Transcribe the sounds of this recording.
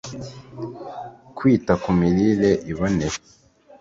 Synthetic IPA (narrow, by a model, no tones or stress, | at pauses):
kwiːtakumiɾileʔiβoneɾ